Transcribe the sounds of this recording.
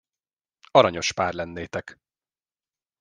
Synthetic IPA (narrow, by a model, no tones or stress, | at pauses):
ɒɾɒɲo̞ʃpaːrlɛnːeːt̪ɛk